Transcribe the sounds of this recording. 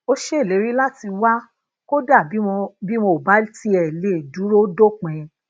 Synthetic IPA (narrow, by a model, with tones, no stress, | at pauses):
o˦ʃe˦e˦˨le˨˦ɾi˦la˦ti˧wa˦ | ko˦da˦˨bi˨˦˧bi˦mo˧˨ba˨˦ti˦ɛ˨le˨du˨˦ɾo˦do˦˨k͡pɛ̃˨˧